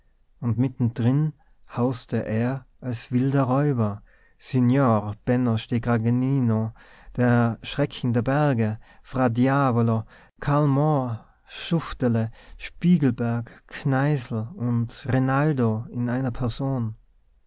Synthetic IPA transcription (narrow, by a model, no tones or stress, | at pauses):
ʊntmɪtn̩d̥ʁɪn | haʊstəʔeːɐʔalsv̥ɪldɐʁɔʏbɐ | senjoːʁb̥ɛnoʃteɡʁaɡniːno | d̥eːɐʃʁ̥ɛkʰŋ̩deɐbɛɐɡəfʁ̥adjaːvolo | kʰalmɔ | ʃʊftələʃpiːɡl̩bɛɐkkʰnaɪzl̩ʊntʁenaldoɪnaɪnɐpʰɛɐzoːn